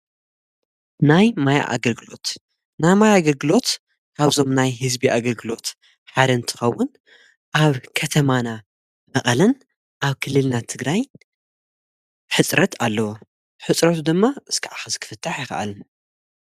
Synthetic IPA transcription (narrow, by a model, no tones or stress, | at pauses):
najmaja̰ʔa̰ɡɐlɡɨlo̞t̪ | najmajaaɡɐlɡɨlo̞t̪ | kʰaβzo̞mnajɦɨzbiʔaɡɐlɡɨlo̞t̪ | ħad̪ɐɨnt̪ʰɨ̥xɐwːʊn | ʔaβkʰɐt̪ʰɐmana | mɐχʼɐlɐn | ʔaβkʰɨlːɨlnat̪ʰɨɡɾaj | ħɨt͡sʼɾɐt̪alːɐwo | ħɨt͡sʼɾɐt̪ʰud̪ɨmːaɨskʰɨʕaxɐzkʰɨ̥fɨt̪ʰːaħjɪxɐ̰ʔa̰lɨn